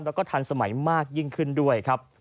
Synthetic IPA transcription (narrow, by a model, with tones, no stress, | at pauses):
lɛː˦˥wkɔː˥˩t̪ʰaː˧nsa˧ma˩˦jmaː˥˩k̚ji˥˩ŋkʰɯ˥˩ndu˥˩əjkʰɾa˦˥p̚